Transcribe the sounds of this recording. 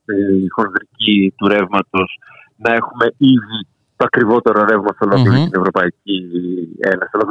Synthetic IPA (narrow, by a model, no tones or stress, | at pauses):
ixo̞nðɾicit̪uɾe̞vmɐt̪o̞s | nɐe̞xume̞iði | t̪o̞ɐkɾivo̞t̪e̞ɾoɾe̞vmɐst̪olo̞klioɐst̪ine̞vɾo̞pɐiciḛnɐsiolok